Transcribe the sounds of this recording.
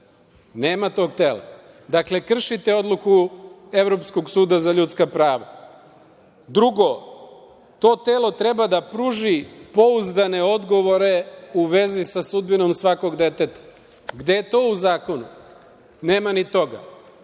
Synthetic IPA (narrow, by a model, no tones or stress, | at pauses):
ne̞ːmat̪o̞ːɡt̪e̞ːlˠa̰ | d̪akle̞kr̩ʃit̪eo̞d̪lˠuku | e̞ʋɾo̞psko̞ɡsuːd̪azaʎut̪skapɾaːʋa̰ | d̪ɾuɡo̞ | t̪o̞ːt̪e̞ːlo̞t̪ɾe̞bad̪apɾuːʒipo̞uzd̪ane̞o̞d̪ɡo̞ʋo̞ɾe̞uʋezisasud̪bino̞msʋako̞ɡd̪e̞t̪e̞t̪ḁ | ɡd̪eet̪o̞ːuzaːko̞nṵ | ne̞ːmanit̪o̞ɡa̰